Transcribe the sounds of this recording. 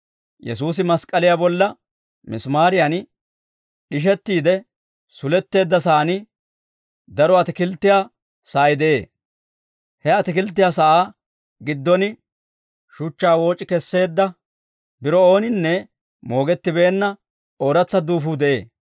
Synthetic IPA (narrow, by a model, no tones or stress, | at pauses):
jɛ̰suːs̬ɪmɐskʼɐlɪjaːbɔlːɐ | mɪsmaːɾɪjan | ɗɪʃ̬ɛt̪ːiːd̪ɛ | sʊlɛt̪ːe̞ːd̪ːɐs̬aːnɪ | d̪ɐɾɔɐt̪ɪkɪlt̪ːɪjaː | saːjɪd̪ɛʔe̞ː | hɛɐt̪ɪkɪlt̪ːɪjaːsɐʔaː | ɡɪd̪ːɔnɪ | ʃʊt͡ʃːaːwo̞ːt͡ʃʼːɪkɛsːe̞ːd̪ːɐ | bɪɾɔo̞ːnɪnːɛ | mo̞ːɡɛt̪ːɪbe̞ːnːɐ | o̞ːɾɐt͡sːɐd̪uːfuːd̪ɛʔe̞ː